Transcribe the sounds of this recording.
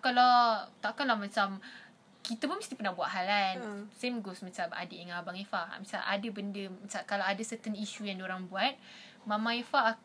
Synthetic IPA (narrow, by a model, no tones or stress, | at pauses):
kalat̪aʔkalamat͡ʃam | kit̪əpʊnməst̪ipərnabuaʔɦalansemɡosmat͡ʃama̰diʔaŋabaŋefaa̰misa̰lʔa̰dabəndəmat͡ʃakalaadasət̪əniʃujaŋdoɾaŋbuat̪̚ | mãmãifaak